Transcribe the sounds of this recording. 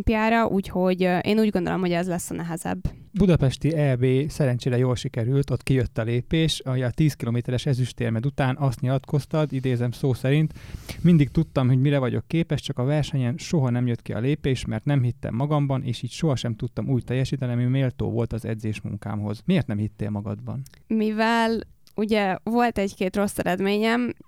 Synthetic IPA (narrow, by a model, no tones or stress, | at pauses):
pijaːɾɒʔuːcho̞ɟʔeːnuːɟɡo̞nd̪o̰lo̰mhoɟɛzlɛsːɒnɛɦɛzɛ̰bː | bud̪ɒpɛʃt̪iɛrbeːsɛɾɛɲt͡ʃeːɾɛjoːlʃikɛɾylt̪o̞t̪kijøt̪ːɒleːpeːʃɒmɛjɒt̪iːskiloːmeːt̪ɛɾɛʃɛzyʃt̪eːrmɛd̪ut̪aːnɒst̪ɲilɒt̪ko̞st̪ɒd̪id̪eːzɛmsoːsɛɾint̪mind̪ik̚t̪ut̪ːɒmɦo̞ɟmiɾɛvɒɟo̞̰kːeːpɛʃt͡ʃɒkɒvɛrʃɛɲɛmʃo̞ɦɒnɛmjøt̪kiɒ̰leːpeːʃmɛ̰rt̪nɛmɦit̪ːɛ̰mːɒɡɒmbɒnʔḛːʃiːcʃo̞ɦɒʃɛmt̪ut̪ːɒmuːct̪ɛjːɛʃiːt̪ɛniɒmimeːlt̪o̰ːvo̞̰lt̪ɒzɛ̰d̪zeːʃmṵŋka̰ːmɦo̞zmeːrt̪nɛmhit̪ːḛːlmɒɡɒ̰d̪bɒ̰nmivɛl | uɟɛvo̞lt̪ɛckeːt̪ro̞sːɛɾɛd̪meːɲɛm